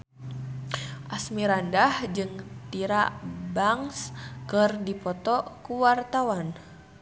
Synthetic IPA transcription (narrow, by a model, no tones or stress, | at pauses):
ʔasmiɾandahd͡ʒɨŋt̪iɾabaŋskɨrdipɔt̪ɔkuwart̪awan